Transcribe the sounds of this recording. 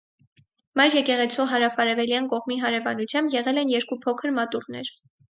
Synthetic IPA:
mɑjɾjɛkɛʁɛt͡sʰɔɦɑɾɑfɑɾɛvɛljɑnkɔʁmiɦɑɾɛvɑnut͡sʰjɑmbjɛʁɛlɛnjɛɾkupʰɔkʰəɾmɑt̪urnɛ̰ɾ

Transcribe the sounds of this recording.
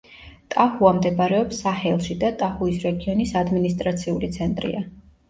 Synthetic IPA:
t̪ʼahuamd̪ɛbaɾɛɔpsːahɛlˠʃid̪at̪ʼahuisɾɛɡiɔnisad̪minist̪ʼɾat̪sʰiulit̪sʰɛnt̪ʼɾḭa

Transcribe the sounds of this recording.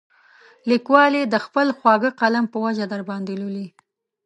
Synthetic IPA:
likwɑled̪əxpəlxwɑɡəqalampəwad͡ʒad̪aɾbɑnd̪eloli

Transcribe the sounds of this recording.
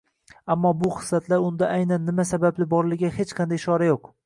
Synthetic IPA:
amːɒbʊχɨ̥slat̪ʰlaɾʊnd̪aʔajnanːɪmasabablɪbɒɾlɪɡʲahet͡ʃqʰɑnd̪ajʃɒɾajoq

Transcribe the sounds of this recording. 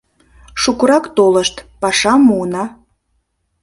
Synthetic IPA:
ʃukuɾɑkt̪oləʃt̪pɑʃɑmuənɑ

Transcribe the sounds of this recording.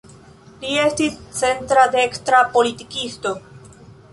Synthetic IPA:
lie̞stist͡se̞ntɾadeekstɾapo̞litikisto̞

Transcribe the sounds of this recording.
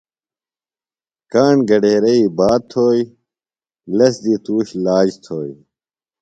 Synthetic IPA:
kaːɳɡɐɖeːɾɐiːbaːt̪ʰoːi | lɐsd̪iːt̪uːɕlaːd͡ʑt̪ʰoːj

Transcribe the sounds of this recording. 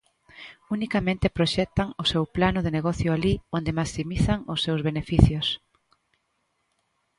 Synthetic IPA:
unikamẽnt̪epɾoʃɛk̚t̪aŋʊsewplanʊðeneɣɔθjʊaliond̪emaksimiθaŋʊsːewzβenefiθjʊs

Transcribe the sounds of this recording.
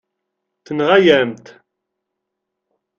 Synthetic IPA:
θənʁajæmt̪

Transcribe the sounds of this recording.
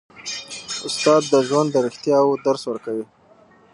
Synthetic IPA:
ʊst̪ɑd̪ːəʒwand̪ːəɾɪxt̪jɑwod̪aɾswəɾkawi

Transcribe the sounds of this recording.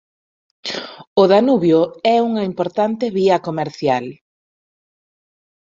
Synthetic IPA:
ʊðanuβjoɛuŋɐimpoɾt̪ant̪ɪβiɐkomeɾθjal

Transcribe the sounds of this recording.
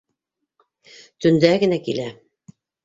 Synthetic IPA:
t̪ɵ̆nd̪æɡɘ̆nækilæ

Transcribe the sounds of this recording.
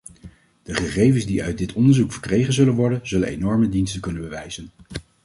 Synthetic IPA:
d̥əχəχejvənzdiœ̰ɥt̚dɪtɔndəɹzukfəɹkrejχənzɵlənʋɔɹdənzɵlənenɔɹmədinstəkɵnənbəʋɛjzən

